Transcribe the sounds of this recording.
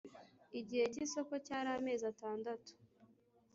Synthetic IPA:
iɟihe̞ciso̞ko̞caːɾame̞ːzataːndatu̥

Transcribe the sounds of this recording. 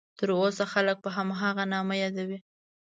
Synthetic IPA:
t̪əɾosaxalək̚pəɦamɦaɣanɑməjɑd̪awi

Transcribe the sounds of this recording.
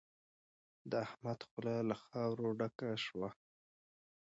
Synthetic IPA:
d̪əahmad̪xʊlɑlaxɑwɾoɖakaʃwa

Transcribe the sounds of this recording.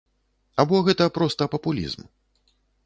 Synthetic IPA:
abɔɣɛt̪ɐpɾɔst̪ɐpɐpulʲḭzm

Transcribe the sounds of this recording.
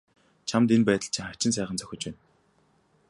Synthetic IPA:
t͡ɕʰamt̪enpæːt̪ə̆ɬt͡ɕʰiŋχḁt͡ɕɪ̆ns̬æːχə̆nt͡sœ̥xʲɪ̆t͡ɕpæːn

